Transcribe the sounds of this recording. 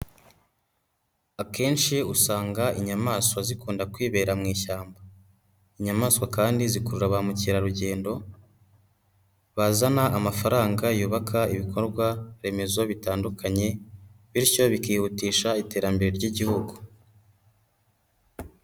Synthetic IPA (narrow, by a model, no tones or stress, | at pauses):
ake̞ːnʃiusaːŋɡaʔiɲamaːswazikuːndakwiːβe̞ːɾamŋiːʃaːmba | iɲamaːskwakaːndizikuɾuɾaβamuciɾaɾuɟe̞ːndo̞ | βazanaʔːmafaɾaːŋɡajuːβakʰaiβikʰo̞ɾɡwaɾe̞me̞zo̞βitaːndukʰaɲe̞βiɾco̞βikiːhutiːʃaite̞ːɾambe̞ɾe̞ɾɟiɟihuɡu̥